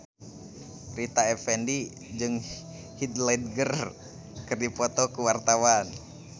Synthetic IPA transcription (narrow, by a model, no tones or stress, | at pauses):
rit̪aɛfɛndi | d͡ʒɨŋ | hid̪lɛd̪̚ɡər | kɨrdipɔt̪ɔkuwart̪awan